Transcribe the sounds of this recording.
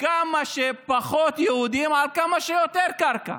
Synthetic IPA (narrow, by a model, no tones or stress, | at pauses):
kamɐʃepɐxoːt̪jɐɦud̪imalkɐmɐʃejot̪eːɾkɐɾkɐ̰